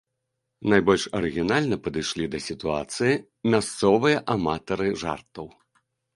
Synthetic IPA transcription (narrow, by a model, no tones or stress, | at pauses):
najbɔlʲʂɐɾɨɣʲinalʲnɐpɐd̪ɨjʂlʲid̪ɐsʲit̪ua̰t̪sɨji | mʲast̪sɔvɨjɐʔamat̪ɐɾɨʐa̰rt̪ɐw